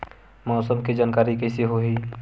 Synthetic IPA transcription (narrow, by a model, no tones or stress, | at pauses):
mɔːsəmkid͡ʒaːnkaːɾikɛɪseɦoɦiː